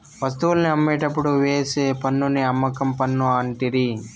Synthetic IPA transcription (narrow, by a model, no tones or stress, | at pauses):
ʋɐst̪ulɐniɐmːeːʈɐpːuɽuʋeːseːpɐnːuniɐmːɐkɐmpɐnːuaːɳʈiɾi